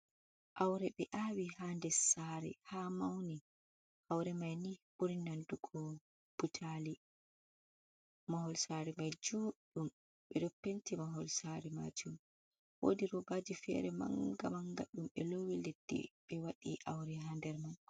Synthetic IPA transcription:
ʔawɾɛɓɛʔawihandɛsaɾɛ̰hamawni | hawɾɛmajnibuɾinanduɡɔ | b̥utʰali | mahɔlsaɾɛmajd͡ʒuɗum | ɓɛdopːentimaɦɔlsaɾɛma̰d͡ʒum | wo̰diɾɔbad͡ʒifɛ̰ɾɛma̰ŋɡamaŋɡa̰ɗumɓɛlowiled̥ːḭɓɛwaɗḭʔawɾɛɦandɛɾman

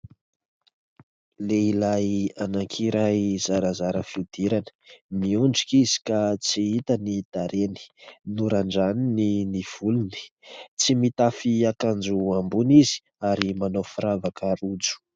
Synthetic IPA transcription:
leilajanaŋkʰiɾajz̥aɾazaɾəfiud̪̥iɾanə̥miuɳɖ͡ʐikizi̥kat͡siit̪ənid̪̥aɾeni̥nuɾaɳɖ͡ʐanininiv̥uluni̥t͡simit̪afiakand͡ʒuambunizi̥ | aɾimanofiɾavakʰaɾud͡zu̥

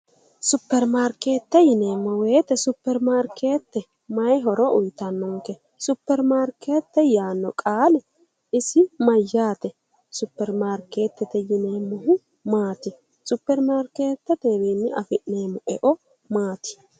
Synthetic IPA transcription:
sʊpːɛɾmaːɾke̞ːt̪ːɛjɪneːmːɔweːt̪ːɛsʊpːɛɾmaːɾkʰe̞ːt̪ːɛ | mɐjɦɔɾɔʊjt̪ɐnːɔŋkɛ | sʊpːɛɾmaːɾkʰe̞ːt̪ːɛjaːnːɔkʼaːlɛ | ɪsɪmɐjːaːt̪ɛ | sʊpːɛɾmaːɾke̞ːt̪ːɛt̪ɛjɪneːmːɔɦʊ | maːt̪ɪ | sʊpːɛɾmaːɾke̞ːt̪ːɛd̪eːbeːnːɪɐfɪʔneːmːɔɛʔɔ | maːt̪ɪ̥

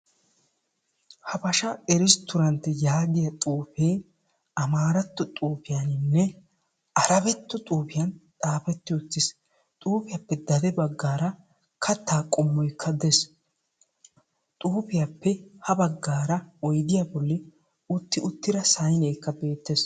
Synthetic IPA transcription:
hɐpɐʃɐɛɾɪst̪ʊɾɐnt̪ːɛjaːɡɪjɐt̪ʼuːpeː | ɐmaːɾɐt̪ːɔt̪ʼuːpɪjanɪnːɛ | ɐɾɐbɛt̪ːɔt̪ʼuːpɪjɐnt̪ʼaːfɛt̪ːɪʊt̪ːɪs | t̪ʼuːpɪjapːɛd̪ɐd̪ɛbɐɡːaːɾɐ | kʰɐt̪ːaːkʼɔmːɔjkʰːɐd̪es | t̪ʼuːpɪjapːɛhɐbɐɡːaːɾɐɔjd̪ɪjabɔlːɪ | ʊt̪ːɪʊt̪ːɪɾɐsɐjneːkːɐbe̞ːt̪ːes

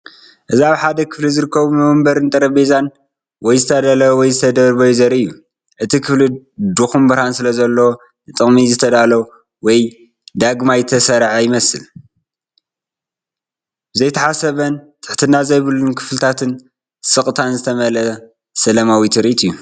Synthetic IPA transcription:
ʔɨziaβħad̪ɐkʰɨ̥flizɨɾɨkʰːɐβumɐβɐmbɐɾɨnt̪ʼɐɾɐbezan | wɔjzɨt̪ʰɐd̪alɐwwɔjzɨt̪ʰɐd̪ɐɾɨβojuzɐɾɨjːu | ʔɨt̪ʰikʰɨflid̪uxumbɨɾhansɨlɐzɐlːow | ɨt̪ʼɨχʼmizɨt̪ʰɐd̪alɐw | wɔj | d̪aɡmajt̪ʰɐsɐɾʕajɪmɐsɨl | zɐjt̪ʰɐħasɐβɐnt̪ʼɨ̥ħt̪ʰɨnːazɐjβɨlːunkʰɨflt̪ʰat̪ʰɨn | sʼɨkʼt̪ʰanzɨt̪ʰɐmɐlɐ | sɐlɐmawit̪ʰɨɾʔit̪ʼɨjːu

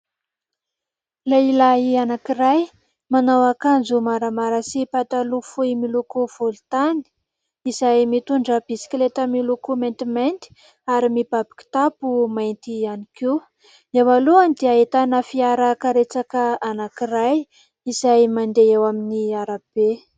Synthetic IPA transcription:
lailaɦianakiɾaj | manawakand͡zumaɾamaɾəsipat̪alufuimilukuv̥olt̪ani̥ | izajmit̪uɳɖ͡ʐəbisi̥kʲlet̪əmilukument̪iment̪i̥ | aɾimib̥abi̥ki̥t̪apumajnt̪ianikiw | ewaluanid̪eaet̪anafiaɾakaɾet͡sakəanakiraj | izajmand̪eewaminiaɾab̥e

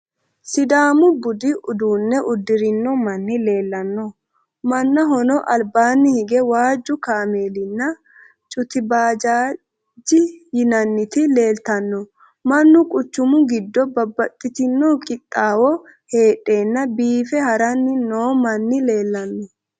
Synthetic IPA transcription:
sɪd̪aːmʊbʊd̪ɪʔʊd̪uːnːɛʔʊd̪ːɪɾɪnːɔmɐnːɪle̞ːlːɐnːɔ | mɐnːɐɦɔnɔʔɐlbaːnːɪhɪɡɛwaːd͡ʒːʊkaːme̞ːlɪnːɐ | t͡ʃʼʊt̪ɪbaːd͡ʒaː | d͡ʒɪjɪnɐnːɪt̪ɪle̞ːlt̪ɐnːɔ | mɐnːʊkʼʊt͡ʃːʊmʊɡɪd̪ːɔbɐbːɐt̪ʼːɪt̪ɪnːɔkʼɪt̪ʼːaːwɔ | he̞ːʔʼːe̞ːnːɐbiːfɛhɐɾɐnːɪnoːmɐnːɪle̞ːlːɐnːɔ

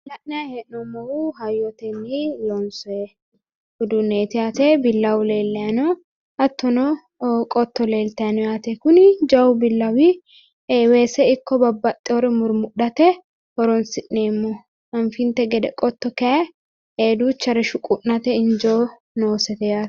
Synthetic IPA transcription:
lɐʔnɛɐhɛʔnɔmɐwuɦɐjːɔt̪ɛnːijoːnsɔɛ | hʊd̪uneːt̪ɪjat̪ɛbɪlːɐwʊle̞ːlːɛɐno | ɐt̪ːɔnɔ | kʼɔt̪ːɔle̞ːlt̪ɐnɔjaːt̪ɛkʊnɪd͡ʒɐwʊbɪlːɐwi | weːsɛɪkːɔbɐbːɐt̪ʼːɛɔɾɛmʊɾmʊᶑɐt̪ɛ | hɔɾɔnsɪʔneːmːɔ | ɐnfɪnt̪ɛɡɛd̪ɛkʼɔt̪ːɔkɛɛ | eːd̪uːt͡ʃːɐɾɛʃʊkʼʊʔnɐt̪ɛɪnd͡ʒo | noːsɛt̪ɛjaːt̪

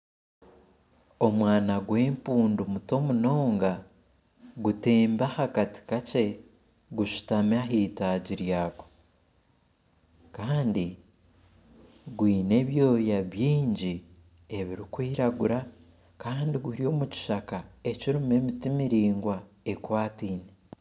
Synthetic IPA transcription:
o̞mwaːnaɡwe̞ːmpuːndumuto̞muno̞ːŋɡa | ɡute̞ːmbahakati̥kace̞ | ɡuʃu̥tamaɦiːtaːɟiɾjaːko̥ | kaːndi | ɡwiːne̞βjo̞ːjaβjiːɲɟi | e̞βiɾikwiːɾaɡuɾa | kaːndiɡuɾio̞ːmuci̥ʃakae̞ciɾume̞mitimiɾiːŋɡwa | e̞kwaːtiːne

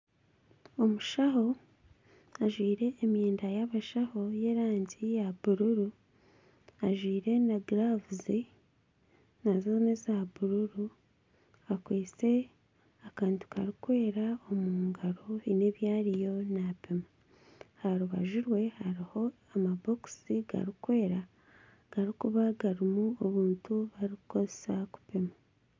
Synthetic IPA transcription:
o̞muʃaɦo̞ | aʒwiːɾe̞ʔːmjeːndajaβaʃaho̞je̞ɾaːɲɟijaβuɾuɾu | aʒwiːɾe̞naɡɾavuzi | nazonezaβuɾuɾu | akweːt͡se̞ | akaːntu̥kaɾikwe̞ːɾao̞muːŋɡaɾoine̞ːβjaːɾijo̞napema | haɾuβa̰ʒiɾwe̞haɾiho̞ | amabo̞ksiɡa̰ɾikwe̞ːɾa | ɡ̥aɾikuβaɡaɾimuoβuːntuβaɾikuko̞ze̥saku̥pema

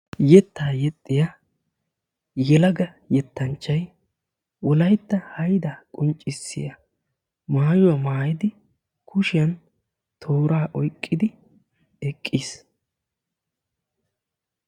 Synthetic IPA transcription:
jɛt̪ʰːaːjɛt̪ʼːɪja | jɛlɐɡɐ | jɛt̪ːɐnt͡ʃːɐj | wɔlɐjt̪ːɐhɐjd̪ɐkʼʊnt͡ʃʼːɪsːɪ̰jɐ | maːjʊwɐmaːjɪd̪ɪ | kʰʊʃɪjɐn | t̪ʰoːɾaːʔɔjkʼːɪd̪ɪ | ɛkʼːiːs

